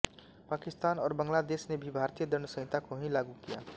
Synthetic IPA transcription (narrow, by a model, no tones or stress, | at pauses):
paːkɪst̪aːnɔːɾbə̃ŋɡlad̪eːsnebʱibʱaːɾt̪ijəd̪ənəsə̃ɪ̃t̪akoɦĩlaːɡukija̰ː